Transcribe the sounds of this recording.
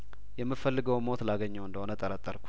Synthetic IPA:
jɛmːɨfəlːɨɡəwmo̞t̪laɡəɲːəwɨnd̪əho̞nət̪ʼːəɾət̪ʼːəɾkʷʰu̥

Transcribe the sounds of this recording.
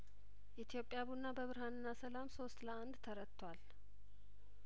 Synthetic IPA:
ʔit̪ʰijo̞pʼːjaβunːabəβɨɾhanɨnːasəlamso̞st̪ləand̪t̪ʰəɾət̪ʰːwal

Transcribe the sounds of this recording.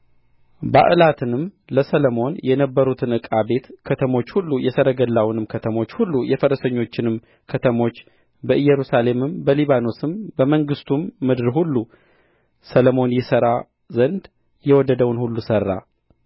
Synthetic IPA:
ba̰ʔɨlat̪ʰɨnɨm | ləsələmo̞njɛnəbːəɾut̪ʰɨnɨkʼabe̞t̪kʰət̪ʰəmo̞t͡ʃːhulːujɛsəɾəɡəlːawnɨmkʰət̪ʰəmo̞t͡ʃːhulːujɛfəɾəsəɲːo̞t͡ʃːɪnɨm | kʰət̪ʰəmo̞t͡ʃː | bəʔɨjːɛɾusale̞mɨmbəliβano̞sɨmbəməŋɡɨst̪ʰumːɨd̪ɨɾhulːu | sələmo̞njɛsəɾa | zənd̪ | jɛwɔd̪əd̪əwnhulːusərːa̰

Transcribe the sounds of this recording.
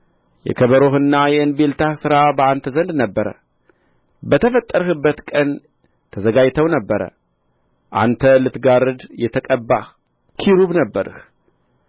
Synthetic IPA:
jɛ̰kʰəβəɾohɨnːajɛɨnbe̞lt̪ʰahsɨɾabəant̪ʰəzənd̪nəbːəɾə̰ | bət̪ʰəfət̪ʼːəɾəhɨbːət̪kʼən | t̪ʰəzəɡajt̪ʰəwnəbːəɾə̰ | ʔa̰nt̪ʰəlɨt̪ɡaɾɨd̪jɛt̪ʰəkʼəbːah | kʰiɾuβnəbːəɾɨ̰h

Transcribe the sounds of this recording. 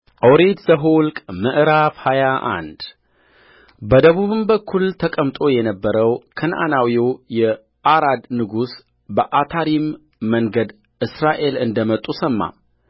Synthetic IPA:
ʔəwɾet̪zəɦulkʼmɨʔɾafhajaʔa̰nd̪ | bəd̪əβuβɨmbəkʰːult̪ʰəkʼəmt̪ʼo̞jɛnəbːəɾəwkʰɨnʔa̰nawjojɛ | ʔaɾad̪nɨɡus | bəʔat̪ʰaɾimː | əŋɡəd̪ | ʔɨsɾaʔe̞lɨnd̪əmət̪ʼːusəmːa̰

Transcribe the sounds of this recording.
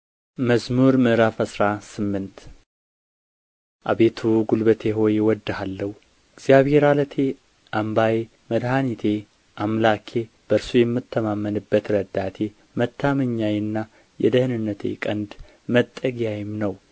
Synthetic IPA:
məsmuɾmɨʔɾafəsɾasɨmːɨnt̪ | ʔaβet̪ʰuɡulbət̪ʰe̞ɦo̞jewɔd̪ːhalːəhu | ɪɡz̥jaβhe̞ɾalət̪ʰe̞ | ʔambaje | məd̪ɦanit̪ʰe̞ | ʔamlakʰe̞ | b̥əɾsujɛmːɨt̪ʰːəmamːənɨbːət̪ɾəd̪at̪ʰe̞ | mət̪ʰːaməɲːajnːa | jɛ̰d̪əhɨnɨnːət̪ʰḛkʼənd̪ | mət̪ʼːəɡjajɪmnəw

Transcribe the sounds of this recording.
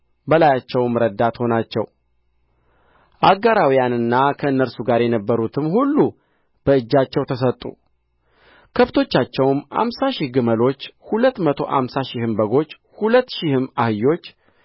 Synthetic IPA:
bəlajat͡ʃːɛwmɾəd̪ːat̪ho̞nat͡ʃːɛw | ʔaɡaɾawijanɨnːakʰəɨnːəɾsuɡaɾjɛnəbːəɾut̪ʰɨmhulːu | b̥əɨd͡ʒːat͡ʃːɛwt̪ʰəsət̪ʼːṵ | kʰəβt̪ʰo̞t͡ʃːat͡ʃːɛwmha̰msaʃɪhɡɨməlo̞t͡ʃːhulət̪ːmət̪ʰo̞ʔa̰msaʃɪhɨmbəɡo̞t͡ʃː | hulət̪ːʃɪhɨmahɨjːo̞t͡ʃː

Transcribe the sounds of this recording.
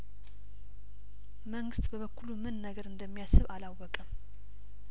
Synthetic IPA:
məŋɡɨst̪bəβəkːulumɨnːəɡəɾɨnd̪əmːijasːɨβalawːɔkʼəm

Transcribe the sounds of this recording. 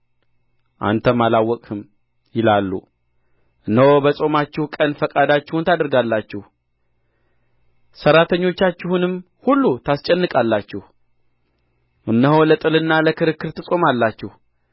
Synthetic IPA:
ʔa̰nt̪ʰəmalawːɔkʼhɨm | jɪlalːṵ | ʔɨnːəwobəsʼo̞mat͡ʃːɪhukʼənfəkʼad̪at͡ʃːɪhunt̪ʰad̪ɨɾɡalːat͡ʃːɪhu | səɾat̪ʰəɲːo̞t͡ʃːat͡ʃːɪhunɨm | hulːut̪ʰast͡ʃʼɛnːɨkʼalːat͡ʃːɪhu | ʔɨnːəɦowlət̪ʼɨlɨnːaləkʰɨɾɨkːɨɾt̪ʰɨsʼo̞malːat͡ʃːɪh

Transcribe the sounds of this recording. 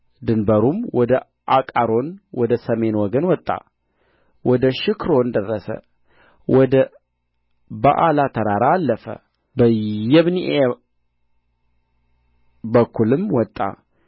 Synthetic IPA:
d̪ɨnbəɾumwɔd̪ə | ʔakʼaɾo̞nwɔd̪əsəme̞nwɔɡənwɔt̪ʼːa̰ | wɔd̪əʃɪkɾo̞nd̪ərːəsə̰ | wɔd̪ə | ba̰ʔalat̪ʰəɾaɾaːlːəfə̰ | bəjɛβniʔe | bəkʰːulɨmwɔt̪ʼːa̰

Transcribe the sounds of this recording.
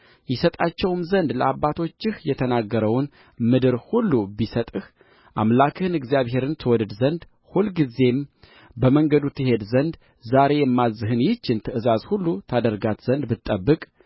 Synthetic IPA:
jɪsət̪ʼat͡ʃːɛwmzənd̪ləabːat̪ʰo̞t͡ʃːɪhjɛt̪ʰənaɡːəɾəwn | mɨd̪ɨɾhulːubisət̪ʼɨh | ʔa̰mlakʰɨhɨnɨɡzijaβhe̞ɾɨnt̪ʰɨwɔd̪ɨd̪zənd̪ | hulɡize̞m | bəməŋɡəd̪ut̪ʰːɨhe̞d̪zənd̪ | zaɾe̞jɛmːazːɨɦɨnjɪt͡ʃːɪnt̪ʰɨʔɨzazhulːut̪ʰad̪əɾɡat̪z̥ənd̪bɨt̪ʼːəbːɨkʼ

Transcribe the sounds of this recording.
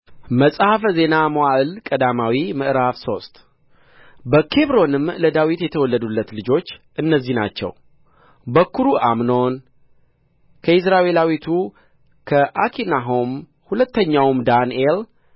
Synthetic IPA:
məsʼhafəze̞namowaʔɨlkʼəd̪amawimɨʔɨɾafso̞st̪ʼ | bəkʰe̞βɾo̞nɨmləd̪awit̪jɛt̪ʰəwɔlːəd̪ulːət̪lɨd͡ʒo̞t͡ʃːʔɨnːəzːihna̰t͡ʃːɛ̰w | bəkʰːuɾuʔamno̞n | kʰəɪsɾaʔe̞lawit̪ʰu | kʰəʔakʰinaɦo̞m | hulət̪ːəɲːawmd̪anel

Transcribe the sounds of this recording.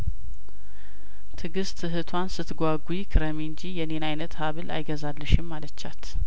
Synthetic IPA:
t̪ʰɨɡɨst̪ʰɨɦɨt̪ʰwansɨt̪ɡʷaɡʷjkʰɨɾəmiɨɲd͡ʒijɛnenajnət̪haβɨlʔa̰jɡəzalːɨʃɪmːalət͡ʃːat̪

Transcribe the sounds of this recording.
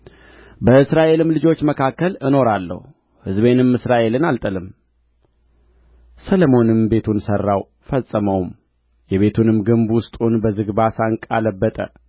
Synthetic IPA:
bəɨsɾaʔe̞lɨmlɨd͡ʒo̞t͡ʃːməkʰakːəlɨno̞ɾalːə̰hu | hɨzbe̞nɨmːɨsɾaʔe̞lɨnalt̪ʼəlɨm | sələmo̞nɨmbe̞t̪ʰunsərːaw | fəsʼːəməwm | jɛβe̞t̪ʰunɨmɡɨmbwʊst̪ʼunbəzɨɡbasaŋkʼaləbːət̪ʼə̰

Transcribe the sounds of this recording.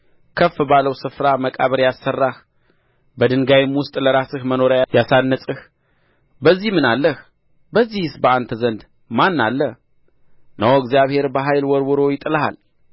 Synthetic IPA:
kʰəfːɨbaləwsɨfɾaməkʼaβəɾjasːərːah | bəd̪ɨŋɡajɪmwʊst̪ʼləɾasɨhməno̞ɾajasanːəsʼɨh | bəzːihmɨnalːəh | bəzːihɨsbəant̪ʰəzənd̪ | manːalːəh | nəwoɨɡzijaβhe̞ɾbəɦajlwɔɾwɔɾo̞jɪt̪ʼɨləha̰l

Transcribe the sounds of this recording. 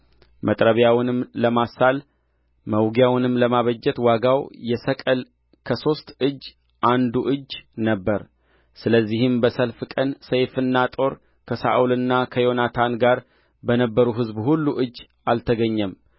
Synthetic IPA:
mʔət̪ʼɾəβjawnɨmləmasal | məwɡjawnɨmləmaβəd͡ʒːɛt̪waɡawjɛsəkʼəl | kʰəso̞st̪ɨd͡ʒː | ʔand̪uʔɨd͡ʒːnəbːəɾ | sɨləzːihɨmbəsəlfkʼənsəjfɨnːat̪ʼo̞ɾ | kʰəsa̰ʔulɨnːakʰəjo̞nat̪ʰanɡaɾ | bənəbːəɾuɦɨzbhulːuʔɨd͡ʒː | alt̪ʰəɡəɲːəm

